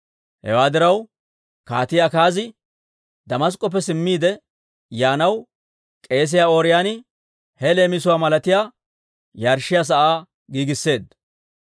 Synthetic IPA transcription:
hɛ̰waːd̪ɪɾɐw | ka̰ːt̪ɪjaːkaːzɪ | d̪ɐmɐs̬kʼːɔp̬ːɛsɪmːiːd̪ɛ | jaːnɐw | kʼe̞ːs̬ɪjaːoːɾɪjaːnɪ | hɛle̞ːmɪsʊwaːmɐlɐt̪ɪjaː | jaːɾʃːɪjas̬ɐʔaː | ɡiːɡɪsːe̞ːd̪

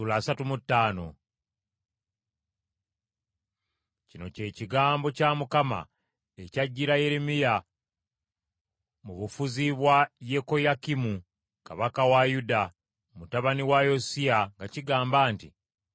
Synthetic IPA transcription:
ulaːsatumutːaːno̞̰ | cino̞̰ce̞ːciɡaːmbo̞camukama̰ | ecaɟːiɾaje̞ɾemija | muβufuziβwaje̞ko̞jakimu | kaβakawajuda | mutaβaniwajosiaŋɡaciɡaːmbaːntḭ

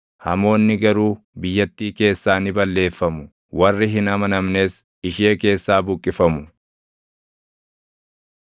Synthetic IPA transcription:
hɐ̰mo̞ːnːɪɡɐɾuː | bɪjːɐt̪ːiːke̞ːsːaːnɪbɐlːe̞ːfːɐmʊ | wɐrːɪɦɪnɐmɐnɐmne̞ːs | ɪʃe̞ːke̞ːsːaːbʊkʼːɪfɐmʊ

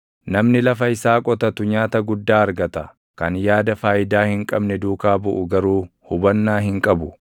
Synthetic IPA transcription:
nɐmnɪlɐfɐɪsaːkʼɔt̪ɐt̪ʊɲaːt̪ɐɡʊd̪ːaːɐɾɡɐt̪ɐ | kɐnjaːd̪ɐfaːjɪd̪aːhɪŋkʼɐbnɛd̪uːkaːbʊʔʊɡɐɾuːhʊbɐnːaːɦɪŋkʼɐbʊ

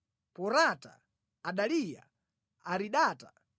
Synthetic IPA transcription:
pɔɾata̰ː | ɗalija̰ | aɾiɗaːtḁ

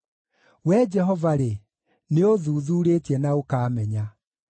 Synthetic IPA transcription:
wɛd͡ʒɛɦɔvaɾe | neoðuðuːɾeːtiɛnaokaːmɛɲa

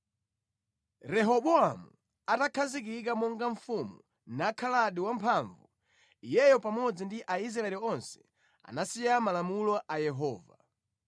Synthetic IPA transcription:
ɾɛɦɔɓɔamu | atakʰazik̬ikamɔŋɡaɱfumṵ | nakʰalaɗiwampʰaɱvu | ijɛjɔpamɔd͡zindiʔaiz̬ɾaɛliɔnsɛ̥ | a̰nasijamalamulɔʔajɛɦɔːva

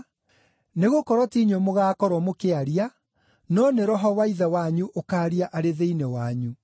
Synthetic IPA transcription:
neɣokɔɾwɔtiɲomoɣaːkɔɾwɔmokeaɾia | nɔneɾɔɦɔwaiðawaɲuʔokaːɾiaʔaɾeðeinɛwaɲu

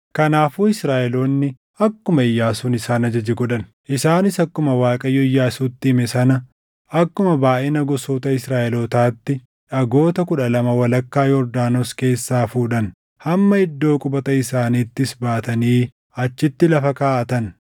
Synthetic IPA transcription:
kɐnaːfuːɪsɾaːʔɛloːnːɪ | ɐkːʊmɐɪjːaːsuːnɪsaːnɐd͡ʒɐd͡ʒɛɡɔᶑɐn | ʔɪsaːnɪsɐkːʊmɐwaːkʼɐjːɔjːaːsuːt̪ːɪɪmɛsɐnɐ | ɐkːʊmɐbaːʔɛnɐɡɔsoːt̪ɐɪsɾaːʔɛlot̪aːt̪ːɪ | ᶑɐɡo̞ːt̪ɐkʊᶑɐlɐmɐwɐlɐkːaːjɔɾd̪aːnoske̞ːsːaːfuːᶑɐn | hɐmːɐɪd̪ːo̞ːkʼʊbɐt̪ɐɪsaːniːt̪ːɪsbaːt̪ɐniː | ɐt͡ʃːɪt̪ːɪlɐfɐkaːʔɐt̪ɐn

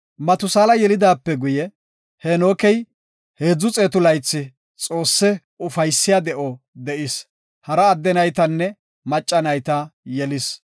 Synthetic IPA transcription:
mɐt̪ʊsaːlɐjɛlɪd̪aːpːɛɡʊjɛ | hɛnoːkɛj | he̞ːd͡zːʊt͡sʼeːt̪ʊlɐjt͡sːɪ | t͡sʼo̞ːsːɛ | ʊfɐjsːɪjad̪ɛʔɔ | d̪ɛʔɪs | hɐɾɐːd̪ːɛnɐjt̪ɐnːɛ | mɐt͡ʃʼːɐnɐjt̪ɐjɛlɪs

